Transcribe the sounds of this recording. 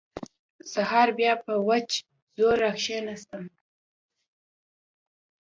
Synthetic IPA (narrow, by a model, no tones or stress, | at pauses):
sahɑɾbjɑpəwat͡ʃ | zoɾaxʃenast̪əm